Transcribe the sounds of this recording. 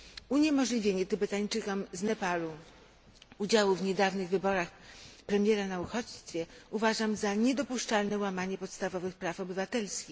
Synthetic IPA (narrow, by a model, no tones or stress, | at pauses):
uɲɛmɔʐlʲivʲjeɲɛt̪ubɛt̪aɲt͡ʂɘkɔmznɛpalu | ud͡ʑawuvɲɛd̪avnɘɣvɘbɔɾaxpɾɛmʲjɛɾanauxɔt͡ɕst̪fʲjɛuvaʐamzaɲɛd̪ɔpuʂt͡ʂalnɛwamaɲɛpɔt̪st̪avɔvɘxpɾafɔbɘvat̪ɛlskʲix